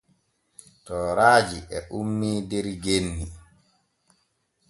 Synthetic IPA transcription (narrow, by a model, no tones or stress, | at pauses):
tɔːɾaːd͡ʒiʔɛʔumːiːdɛɾɡenːi